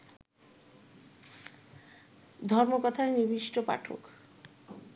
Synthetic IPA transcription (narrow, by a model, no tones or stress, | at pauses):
d̪ʱɔɾmokɔt̪ʰaenibiʃʈopa̰ʈʰo̰k